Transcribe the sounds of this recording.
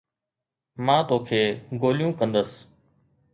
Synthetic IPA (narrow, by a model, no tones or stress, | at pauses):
mãːt̪oːkʰeːɡoːlɪjũːkə̃nd̪əs